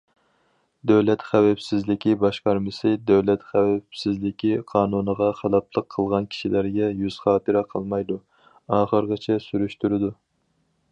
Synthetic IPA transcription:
d̪æwlɛt̪χæwɛpsɪzlɪkʲibɑʃqɑɾmɨsɨd̪æwlɛt̪χæwɛpsɪzlɪkʲʰiqʰɑːnunəʁɑχɑlˠɑpʰlˠəqʰːəlˠʁɑnkʲʰi̥ʃilæɾɡʲɛjyz̥χɑːt̪ʰɨɾɛqʰəlˠmɑjd̪u | ɑːχəɾʁət͡ʃʰɛsyɾyʃt̪yɾɪd̪u

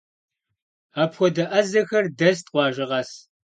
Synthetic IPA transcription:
aːpxʷɔdɐʔɐzɐxɐrdɐstʼqʷɑːʒɪʁɐs

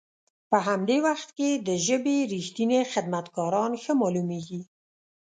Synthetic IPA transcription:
pəɦamd̪ewaxt̪ked̪əʒəbeɾixt̪inexɪd̪mat̪ɡɑɾɑnxəmɑlumeɡi

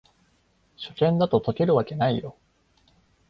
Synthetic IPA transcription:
ɕo̞kẽ̞nd̪at̪o̞t̪o̞ke̞ɾɯ̟βake̞naijo̞

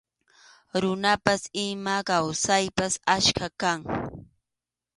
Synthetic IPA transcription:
ɾʊnapasɪmakawsajpasaʃkakaŋ

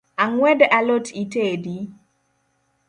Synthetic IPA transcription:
aŋwɛdalotʰitedi

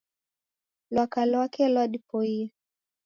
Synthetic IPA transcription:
lwakalwakɛlwaɗipɔia

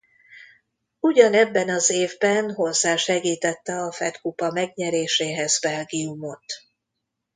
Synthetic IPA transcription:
uɟɒnɛbːɛnɒzeːvbɛnɦo̞rzaːʃɛɡiːt̪ɛt̪ːɛɒfɛt̪kupɒmɛɡɲɛɾeːʃeːɦɛzbɛlɡiumo̞t̪

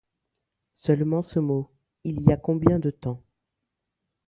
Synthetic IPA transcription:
sœlmɑ̃səmo | iliakɔ̃bjɛ̃d̪ət̪ɑ̃

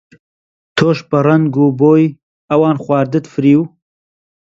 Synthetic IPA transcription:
t̪ʰoːʃbɐrɐnɡuːboːj | ɐwɑːnxwʷɑːɾd̪ɨt̪fɨɾiːw

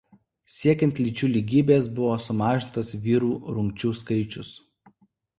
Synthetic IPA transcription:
sʲiɛkʲɛnʲt̪ʲlʲɪˑt͡ʃʲuːlʲiɡʲiːbʲeːsbʊʋoːsʊmɑːʒʲɪnt̪ɐsʋʲiːɾuːɾʊŋʲk̚ʲt͡ʃʲuːskɐɪt͡ʃʲʊs

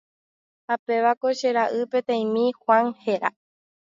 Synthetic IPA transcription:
hape̞ʋakoʃe̞ɾaʔɨpẽ̞t̪ẽj̃mĩhwãŋhe̞ɾa

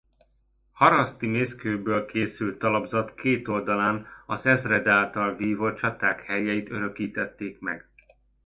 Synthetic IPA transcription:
hɒɾɒst̪imeːskøːbøːlkeːsylt̪ːɒlɒbzɒt̪kʰeːt̪o̞ld̪ɒlaːnɒzɛzrɛd̪aːlt̪ɒlviːvot͡ʃɒt̪aːkhɛjːɛjit̪øɾø̞kiːt̪ɛt̪ːeːkmɛ̰ɡ̥

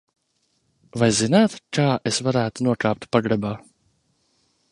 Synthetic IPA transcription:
vajzinaːt̪kaːʔesvaɾæːt̪unuɔkaːp̚t̪paɡɾɛbaː

